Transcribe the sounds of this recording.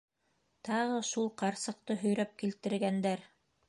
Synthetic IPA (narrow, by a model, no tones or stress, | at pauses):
t̪ɑʁɤʃulˠqɑɾsɤ̆q̚t̪ɤɦɵ̆jɾæp̚kilt̪ɘ̆ɾɡænd̪æɾ